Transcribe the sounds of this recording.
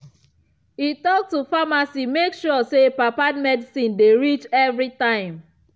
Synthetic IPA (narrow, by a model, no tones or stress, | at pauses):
itɔk̚tufamasimekʃɔsepapad̚mɛdisĩndeɹit͡ʃɛvɹitãɪ̃m